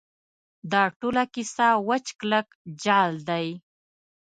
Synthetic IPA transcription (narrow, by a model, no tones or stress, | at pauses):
d̪ɑʈolakisawat͡ʃklək | d͡ʒɑld̪aj